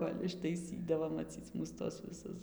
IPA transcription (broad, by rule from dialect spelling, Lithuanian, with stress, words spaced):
ˈkoːlʲ ɪʃtɐɪˈsʲiːdɐʋoː mɐˈt͡sʲiːt͡s muːs ˈtuɔs ʋʲɪˈsʊs